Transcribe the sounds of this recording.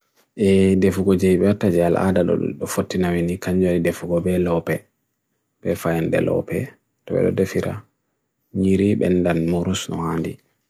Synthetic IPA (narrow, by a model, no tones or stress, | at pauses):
ʔɛdefuɡɔd͡ʒɛjiɓɛwatːad͡ʒɛalʔa̰daɗɔ̰ɗɔfotːinawinikaɲd͡ʒaɾidefuɡɔbɛlɔpɛ | ɓɛfajɛndɛ̰lɔ̰pɛ | tɔɓɛ̰ɗɔ̰defiɾa̰ | ɲiɾiɓɛndanmuɾusnɔ̰handi